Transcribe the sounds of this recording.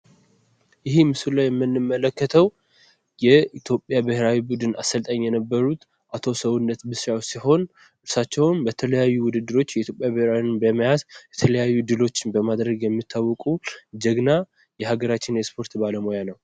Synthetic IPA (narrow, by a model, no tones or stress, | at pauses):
jɪɦimɨsulajɛmːɨnːɨmːələkːət̪ʰəw | jɛit̪ʰjo̞pʼːjabɨhɾawibud̪ɨnasəlt̪ʼəɲːjɛnəbːəɾut̪ | ʔat̪ʰo̞səwunːət̪bɨsawsiho̞n | ɨɾsat͡ʃːɛwnbət̪ʰələjajːuwʊd̪ɨd̪ːɨɾo̞t͡ʃːjɛʔit̪ʰʲjo̞pʼjabɨhɾawinbəməjazjɛt̪ʰələjajːud̪ɨlo̞t͡ʃːɪnbəmad̪ɾəɡjɛmːit̪ʰːawːɔkʼud͡ʒəɡna | jɛhaɡəɾat͡ʃːɪnjɛspʰo̞ɾt̪baləmo̞janəw